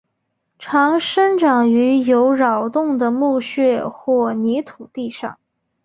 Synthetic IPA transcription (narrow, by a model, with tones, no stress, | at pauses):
ʈ͡ʂʰɑ˧˥ŋʂə˥nʈ͡ʂɑ˨˩ŋy˧˥jo˧˥ʊɻɑ˨˩ʊt̪ʊ˥˩ŋd̪ə˩mu˥˧ɕɥɛ˥˧xwɔ˥˩ni˧˥t̪ʰu˨˩t̪i˥˧ʂɑ̰˥˩ŋ